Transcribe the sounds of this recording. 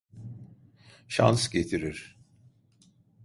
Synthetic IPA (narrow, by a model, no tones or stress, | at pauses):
ʃa̰nsɟet̪ʰiɾiɾ̥